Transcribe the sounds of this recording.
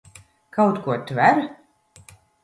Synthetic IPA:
kawt̪kuɔt̪væɾ

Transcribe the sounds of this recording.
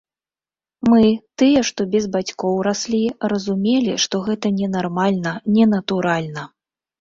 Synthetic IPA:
mɨt̪ɨjɛʂt̪ɔbʲɛzbat͡sʲkɔwɾasʲlʲirɐzumʲelʲiʂt̪ɔɣɛt̪ɐnʲɛnarmalʲnɐnʲɛnɐt̪uɾalʲnɐ

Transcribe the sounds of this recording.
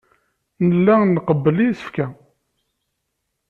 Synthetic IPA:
nəlːænːqəbːəlijθə̥fkæ

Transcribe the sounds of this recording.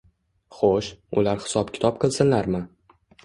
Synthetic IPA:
χoʃʊ̰laɾhɪ̥sɒpkʲʰɪ̥t̪ʰɒp̚qʰɨlˠsɪnlaɾmɪ

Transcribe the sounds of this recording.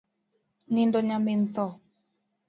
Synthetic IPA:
nindoɲamen̩t̪ɔ

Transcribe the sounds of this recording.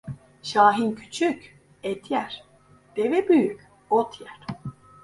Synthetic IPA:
ʃaːɦincʰy̥t͡ʃʰyc | ɛt̪ʰjæɾ̥ | d̪̥evɛbyjycʲ | ot̪ʰjæɾ̥

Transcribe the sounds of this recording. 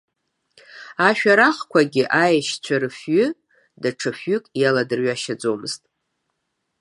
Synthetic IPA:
aʃᶣaɾaχkʷʰaɡʲɪʔajaʃt͡ɕʷʰaɾɨfɥʏ | daʈ͡ʂʰɨfɥʏkʼjaladɨrɥaʃad͡zo̞mɨztʼ

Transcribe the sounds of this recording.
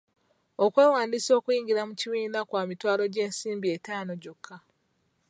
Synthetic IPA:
okwe̞ːwaːndiso̞ːkwiːɲɟiɾamuciβiːndakwaːmitwaːlo̞ɟe̞ːnsiːmbietaːno̞ɟokʰːa

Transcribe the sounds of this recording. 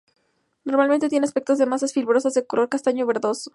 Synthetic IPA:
no̞ɾmalmẽnt̪et̪jene̞aspe̞k̚t̪ozðe̞masasfilβɾo̞sazðekolo̞ɾkast̪aɲoβe̞ɾðo̞so

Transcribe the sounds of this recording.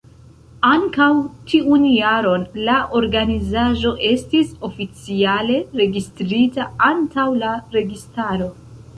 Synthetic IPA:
aŋkawtʰiunjaɾo̞nlaʔo̞ɾɡanizaʒo̞ʔe̞stiso̞fit͡siale̞ɾe̞ɡistɾitaantawlaɾe̞ɡistaɾo̞

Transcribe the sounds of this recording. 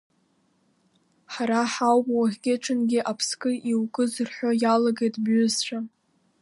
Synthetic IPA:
ħaɾaħawbʼwaʁʲɡʲeʈ͡ʂʰʼɨnɡʲɪʔapʰskʼɨʔiwkʼɨzɨrħʷᶣojalaɡejtʰʼbɥʏzt͡ɕʷᶣa

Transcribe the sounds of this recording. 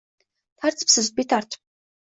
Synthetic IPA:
t̪ʰart͡spsə̆st̪̚pʲit̪ʰar̥t͡ɕ̪

